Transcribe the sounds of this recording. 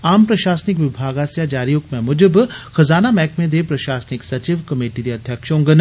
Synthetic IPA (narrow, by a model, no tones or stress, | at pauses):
aːmpɾɐʃaːsnɪk̬ʋɪbʱaːɡaːsjad͡ʒaːɾijokmẽmʊd͡ʒəbxɐzaːnamɛːkmẽd̪eːpɾɐʃaːsnɪksɐt͡ʃiʋkɐmeːʈid̪eːɐd̪ʱjəkʃõːŋɡən